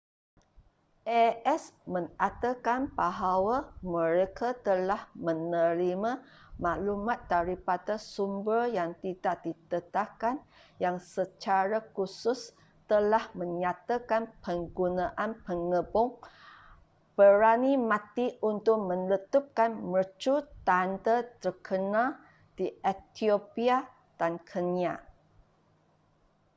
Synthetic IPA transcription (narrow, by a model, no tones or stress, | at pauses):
ʔɛɛsmə̃ŋat̪akanbaɦawamə̃ɾekat̪əlahmə̃nəɾimãmaʔlumat̪̚ːaɾipadasumbəjaŋt̪idaʔdit̪ət̪akanjaŋsət͡ʃaɾakusʊs | t̪əlahmə̃ɲat̪akanpəŋɡunãʔanpəŋəbʊŋ | b̥əɾanimãt̪iunt̪ʊʔ̚mə̃nlət̪up̚kanmət͡ʃut̪andat̪ərkʰənã | d̥iʔet̪iopia | d̥ankʰənia